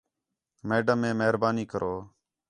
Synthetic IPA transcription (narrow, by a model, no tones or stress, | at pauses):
meːɖəmːẽːmeɦɾbaːniːkəɾʔoː